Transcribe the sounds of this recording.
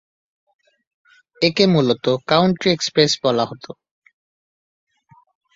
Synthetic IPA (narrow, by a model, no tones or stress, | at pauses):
ekemulot̪okawɳʈɾiekspɾesbɔlaɦot̪o